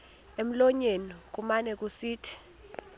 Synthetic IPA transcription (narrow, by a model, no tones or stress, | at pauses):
em̩lɔɲenik̬ʼumanɛk̬ʼusiːtʰi̥